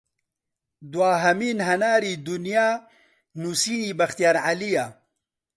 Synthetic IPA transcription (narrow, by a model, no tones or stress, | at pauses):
d̪waːɦɐmiːnɦɐnaːɾiːd̪unjaː | nusiːniːbɐxt̪ijaːɾʕalijaː